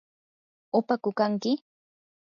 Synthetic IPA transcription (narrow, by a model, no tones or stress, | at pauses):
ʊpakʊkaŋkɪ